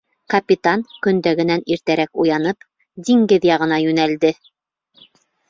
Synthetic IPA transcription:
kɐpʲit̪ankɵ̆nd̪æɡɘ̆næniɾt̪æɾækujɑnɤp | d̪iŋɡɘðjɑʁɤ̆nɑjʉnæld̪ɘ

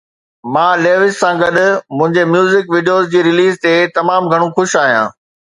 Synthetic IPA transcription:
mãːleːʋɪsːãɡɐɗʊmʊ̃ɦɪ̃ɲd͡ʑemjuːzɪkʋiːɖijoːzd͡ʑiːɾɪliːzt̪et̪ɐmaːmɡʱɐɽ̃ũxʊʃaːɦijã̰ː

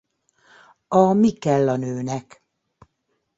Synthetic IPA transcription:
ɒmikɛlːɒnøːnɛk

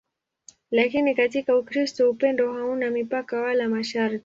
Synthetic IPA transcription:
lakinikatikaukɾistɔupɛndɔɦaunamipakawalamaʃaɾti̥

